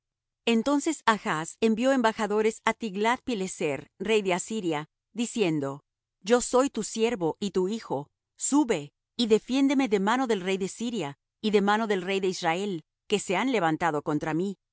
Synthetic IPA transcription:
ent̪o̞nse̞saxase̞mbjo̞e̞mbaxaðo̞ɾe̞sat̪iɣlað̚pileseɾrejðeasiɾja | ðisje̞nd̪o̞ | d͡ʒo̞so̞jt̪usje̞ɾβo̞ʔit̪uixo̞ | suβe̞ | iðe̞fje̞nd̪e̞me̞ðe̞mano̞ðe̞lre̞jðe̞siɾja | iðe̞mano̞ðe̞lre̞jðeisrae̞l | ke̞se̞anle̞βant̪aðo̞ko̞nt̪ɾami

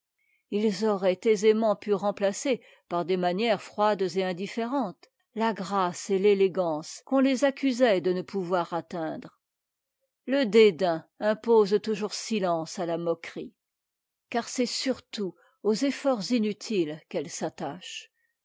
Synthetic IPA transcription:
ilzɔʁɛt̪ezemɑ̃pyʁɑ̃plase | paʁd̪emanjɛʁfχwad̪zeɛ̃d̪ifeʁɑ̃t̪ | laɡʁaseleleɡɑ̃skɔ̃lezakʲyzɛd̪ənəpʰuvwaʁat̪ɛ̃d̪ʁ | ləd̪ed̪ɛ̃ɛ̃pozt̪uʒuʁsilɑ̃salamɔkχi | kaʁsɛsyʁt̪u | ozefɔʁzinyt̪ʰilkɛlsat̪aʃ

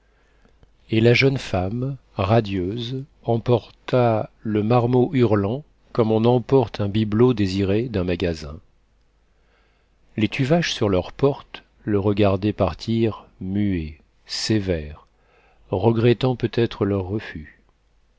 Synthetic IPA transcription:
elaʒœnfam | ʁad̪jøz | ɑ̃pɔʁt̪aləmaʁmoʔyʁlɑ̃ | kɔmɔ̃nɑ̃pɔʁt̪ʰɛ̃biblod̪eziʁed̪ɛ̃maɡazɛ̰̃ | let̪ʰyvaʒsyʁlœʁpɔʁt̪ | ləʁəɡaʁd̪ɛpaʁt̪ʰiʁmye | sevɛʁ | ʁəɡʁɛt̪ɑ̃pøt̪ɛt̪χəlœʁːəfy

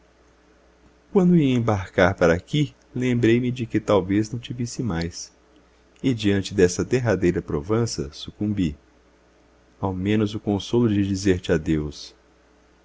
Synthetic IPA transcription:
kwɐ̃nd̪ʊiẽbaɾkaɾpaɾɐaki | lẽbɾejmɪd͡ʒɪkɪt̪awveznɐ̃w̃t͡ʃivisɪmajs | ɪd͡ʒiɐ̃nt͡ʃɪd̪ɛsɐd̪eɦad̪ejɾɐpɾovɐ̃sɐ̰sukũmbi | awmẽnʊzʊkõsolʊd͡ʒɪd͡ʒizeɾt͡ʃɪad̪ews

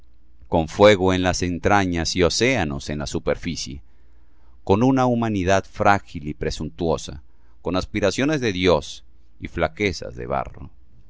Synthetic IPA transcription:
ko̞ɱfwe̞ɣoenlase̞nt̪ɾaɲasio̞se̞ano̞̰se̞nlasupe̞ɾfisje | ko̞nunaumaniðaðfɾaxilipɾesunt̪wo̞sa̰ | ko̞naspiɾasjo̞ne̞zðe̞ðjo̞s | iflake̞sa̰zðe̞̰βa̰ro̰

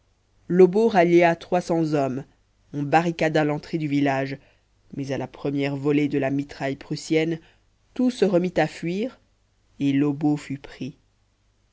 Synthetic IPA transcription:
lɔboʁaljeat̪χwasɑ̃zɔm | ɔ̃baʁikad̪alɑ̃t̪χed̪yvilaʒ | mɛzalapχəmjɛʁvɔled̪əlamit̪χajpχysjɛn | t̪usəʁəmit̪afɥiːʁ | elɔbofypχi

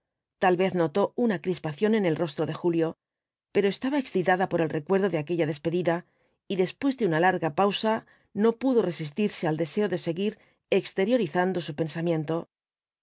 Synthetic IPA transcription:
t̪alβe̞θno̞t̪o̞unakɾispaθjo̞ne̞ne̞lro̞st̪ɾo̞ðe̞xuljo̞ | pe̞ɾo̞e̞st̪aβae̞ksθit̪aðapo̞ɾe̞lre̞kwe̞ɾðo̞ðeake̞ʎaðe̞spe̞ðiða | iðe̞spwe̞zðeunalaɾɣapawsa | no̞puðo̞re̞sist̪iɾse̞ald̪e̞se̞o̞ðe̞se̞ɣiɾ | e̞kst̪e̞ɾjo̞ɾiθand̪o̞supe̞nsamjẽ̞nt̪o̞

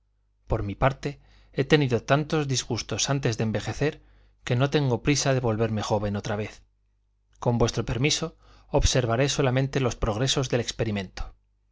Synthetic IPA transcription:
po̞ɾmipaɾt̪e̞ | e̞t̪e̞niðot̪ant̪o̞zðizɣust̪o̞sant̪ezðembe̞xe̞θe̞ɾ | ke̞no̞t̪e̞ŋɡo̞pɾisaðe̞βo̞lβe̞ɾme̞xo̞β̞e̞no̞t̪ɾaβ̞e̞θ | ko̞mbwe̞st̪ɾo̞pe̞ɾmiso̞ | oβse̞ɾβ̞aɾe̞so̞lamẽnt̪e̞lo̞spɾo̞ɣ̞ɾe̞so̞zðe̞le̞kspe̞ɾimẽ̞nt̪o̥

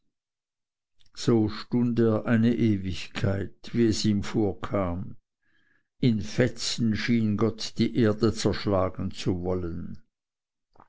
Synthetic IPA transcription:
z̥oːʃtʊndeːɐʔaɪnəʔeːvɪçkʰaɪtv̥iːɛsiːmfoːɐkʰaːm | ɪnfɛt͡sn̩ʃiːnɡɔtd̥iːʔeːɐdət͡sɛɐʃlaːɡn̩t͡suvɔlən

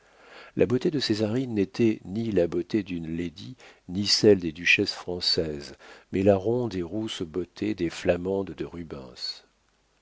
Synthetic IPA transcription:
lʔa̰bot̪ed̪əsezaʁinːet̪ʰɛnilabot̪ed̪ynled̪inisɛld̪ed̪yʃɛsfχɑ̃sɛzmɛlaʁɔ̃d̪eʁusbot̪ʰed̪eflamɑ̃d̪d̪əʁybɛ̰̃s

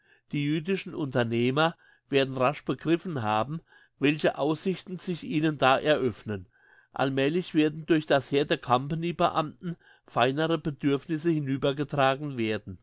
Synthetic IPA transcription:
d̥iːjyːdɪʃn̩ʔʊntɐneːmɐ | v̥eːɐdn̩ʁaʃb̥əɡʁɪfn̩ɦaːbm̩ | vɛlçəʔaʊsɪçtn̩z̥ɪçʔiːnəndaːʔɛɐʔœfnən | ʔa̰lmɛːlɪçv̥eːɐdn̩dʊɐçd̥asheːɐdeːɐkʰampanibə̰ʔa̰mtn̩ | faɪnəʁəbədʏɐfnɪsəhɪnyːbɐɡətʁ̥aːɡŋ̩veːɐdn̩

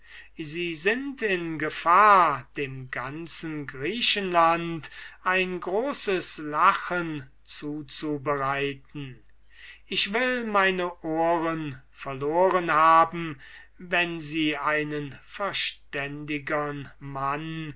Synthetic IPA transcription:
ziːzɪntɪnɡəfaːɐd̥eːmɡant͡sn̩ɡʁiːʃənlantʔaɪnɡʁoːsəslaχən | t͡suːt͡subəʁaɪtn̩ | ʔɪçv̥ɪlmaɪnəʔoːʁən | fɛɐloːʁənhaːbm̩ | vɛnziːaɪnənfɛɐʃtɛndɪɡənman

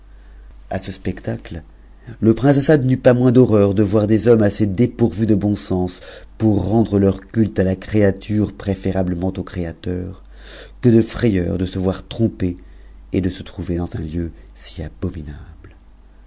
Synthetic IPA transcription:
a̰səspɛkt̪akl | ləpχɛ̃s̬asad̪nypamwɛ̃d̪ɔʁœʁd̪əvwaʁd̪ezɔmased̪epuʁvyd̪əbɔ̃sɑ̃spuʁːɑ̃d̪ʁəlœʁkʲylt̪alakχeat̪ʰyʁpχefeʁabləmɑ̃t̪okχeat̪œʁ | kəd̪əfχejœ̰ʁd̪əsəvwaʁt̪χɔ̃pe | ed̪əsət̪χuved̪ɑ̃zɛ̃ljøsi̥abɔminabl

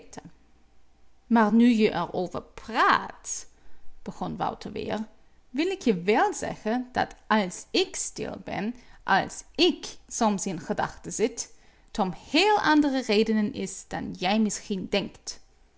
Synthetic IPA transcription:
tʰən | maːɹnyjəʔɛɹoːvə̰ɹpraːt | b̥əɣɔnʋɑ̰wtʰəɹʋɪ̰ːɹ | ʋɪlˠɪkjəʋɛlˠzɛ̰xənd̥ɑ̰tʔɑlˠsɪkstɪ̰lˠbɛ̰nʔɑ̰lˠsɪksɔmsɪnχədɑ̰xtəzɪt | tɔmheːlˠʔɑndərəreːdənənɪsd̥ɑ̰njɛjmɪsxindɛŋkt

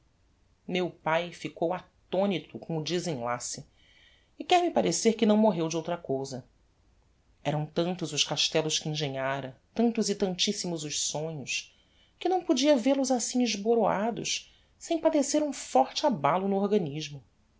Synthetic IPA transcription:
mewpajfikowat̪õnit̪ʊkʰõw̃ʊd͡ʒizĩla̰sɪ | ɪkɛɾmɪpaɾeseɾkɪnɐ̃w̃moɦewd͡ʒɪowt̪ɾɐkowzɐ | ɛɾɐ̃w̃t̪ɐ̃nt̪ʊzʊʃkaʃt̪ɛlʊʃkɪĩʒẽɲaɾɐt̪ɐ̃nt̪ʊzɪt̪ɐ̃nt͡ʃisimʊzʊʃsõɲʊʃ | kɪnɐ̃w̃pod͡ʒiɐveɾlʊzasĩɲɪʒboɾoad̪ʊ̰ʃ | sẽj̃pad̪eseɾũfɔɾt͡ʃɪabalʊnʊoɾɡɐniʒmʊ

